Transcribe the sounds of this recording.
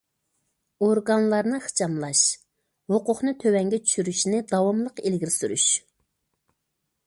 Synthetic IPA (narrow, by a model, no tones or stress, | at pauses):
oɾɡɑnlˠɑɾnɨχɨ̥t͡ʃʰɑmlˠɑʃ | hoqʊχnɨt̪ʰøwɛŋɡʲɛt͡ʃʰy̥ʃyɾyʃnɪd̪ɑwɑmlˠəqelɡʲiɾɪsyɾy̰ʃ